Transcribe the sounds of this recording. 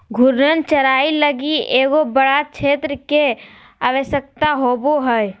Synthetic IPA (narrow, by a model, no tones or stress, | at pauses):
ɡʱʊɾnənt͡ʃəɾaːiləɡieːɡobəɽakʃʰeːt̪ɾəke | aʋəʃək̚t̪aɦoːboɦəj